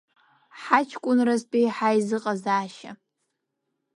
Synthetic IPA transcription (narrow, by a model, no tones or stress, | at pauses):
ħat͡ʃʰkʷʼʊnrazpʼiħajzɨqʼazaːʃa̰